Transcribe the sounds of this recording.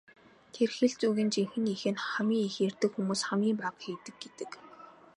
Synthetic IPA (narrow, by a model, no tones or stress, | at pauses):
t̪ʰerxɘ̆ɮt͡suːɣĭnt͡ɕiŋxɘ̆nixɘ̆nχamʲiːŋixeːrt̪ɘ̆kxumuːsχamʲiːmpaqxiːt̪ɘ̆k̚ɡet̪ɘ̆k